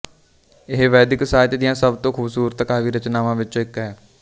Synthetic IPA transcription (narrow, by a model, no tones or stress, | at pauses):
ɪɦʋɛːd̪ɪksaːt̪ːd̪ɪjãːsəbt̪õːkʰuːbsuːɾət̪kaːʋiːɾət͡ʃnaːʋãːʋɪt͡ʃõːɪkɦɛː